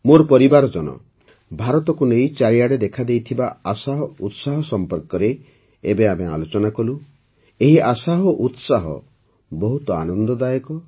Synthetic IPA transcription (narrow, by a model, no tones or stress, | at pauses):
moɾpɔɾibaɾɔd͡ʒɔnɔ̰ | bʱaɾɔt̪ɔkunejt͡ʃaɾiaɽed̪ekʰad̪ejt̪ʰibaasaɦɔut̪saɦɔsɔmpɔɾkɔɾe | ebeamea̰lot͡ʃɔnakɔlu | eɦiʔasaɦɔʔut̪saɦɔ̰ | bɔɦut̪ɔanɔnd̪ɔd̪ajɔkɔ